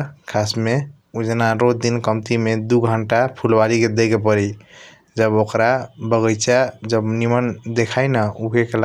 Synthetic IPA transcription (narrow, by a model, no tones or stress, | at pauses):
kʰasme | ud͡ʒenaɾod̪inkəmt̪imed̪uɡʱəɳʈapʰulbaliked̪eɡepəɾi | d͡ʒəbokɾabəɡəjt͡ʃad͡ʒəbnimənd̪ekʰajnəukekela